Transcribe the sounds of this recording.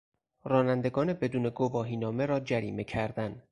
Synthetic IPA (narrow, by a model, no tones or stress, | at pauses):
rɒːnænd̪e̞ɡɒːne̞be̞d̪uːne̞ɡovɒːɦiːnɒːme̞ɾɒːd͡ʒæɾiːme̞cʰæɾd̪æn